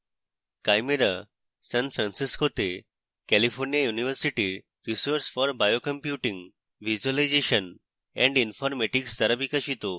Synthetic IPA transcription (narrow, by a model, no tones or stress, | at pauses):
kajmeɾa | sɛ̃nfɾãnsiskot̪e | kɛlifʰoɾnijajuniʋəɾsiʈi | ɾisoɾsfɔɾbajokə̃mpjuʈĩŋɡ | ʋid͡ʑuəlajd͡ʑeʃən | ɛ̰̃ɳɖinfɔɾmeʈiksd̪ɐɾabikaʃit̪o